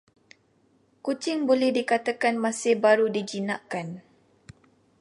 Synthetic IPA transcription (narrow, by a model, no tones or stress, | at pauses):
kut͡ʃɪŋbolɛhdikat̪akanmãsɪhbaɾudid͡ʒinaʔkan